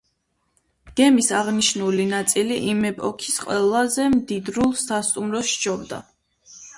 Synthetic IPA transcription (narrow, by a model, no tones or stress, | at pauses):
ɡ̥ɛmisaʁniʃnulinat̪sʼiliʔimɛpʼɔ̰kʰi̥sqʼwɛlˠazɛmd̪id̪ɾulˠsast̪ʼumɾɔʃt͡ʃʰɔbd̪a̰